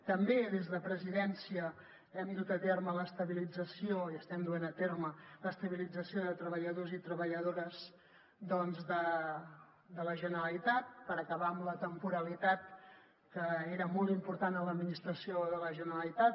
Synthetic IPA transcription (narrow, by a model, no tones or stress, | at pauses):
t̪əmbeðezðəpɾəziðɛnsiə | ɛmd̪ut̪ət̪ermələst̪əβilid͡zəsioiəst̪ɛmd̪uenət̪ermələst̪əβilid͡zəsioðət̪ɾəβəʎəðozit̪ɾəβəʎəðoɾəz | d̪ɔnzðə | d̪ələʒənəɾəlit̪at̪̚pəɾəkəβaəmlət̪əmpuɾəlit̪at̪̚ | kəeɾəmɔlˠt̪impuɾt̪anələd̪minist̪ɾəsioðələʒənəəlit̪at̪̚